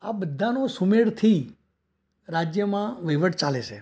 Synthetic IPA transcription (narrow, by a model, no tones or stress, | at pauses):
abəd̪ʱanosumeɽt̪ʰi | ɾad͡ʒjəmãʋəiʋəʈt͡ʃaleʃʰe